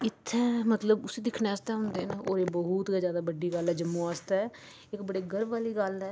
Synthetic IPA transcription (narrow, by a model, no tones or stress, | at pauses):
ɪt̪ʰːɛ̃ːmət̪ləbʊsiːd̪ɪkʰnest̪ɛ̃ːɦʊ̃nd̪eːnːoːɾeːbəɦuːt̪ːzjaːd̪aːbəɖːiːɡəlɦɛːd͡ʒəmːũaːst̪ɛː | ɪkbəɽeːɡəɾbaːliːɡəlɦɛː